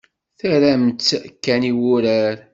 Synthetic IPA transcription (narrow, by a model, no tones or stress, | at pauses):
θæɾæmt͡s̪ːkːæniwʊɾæɾ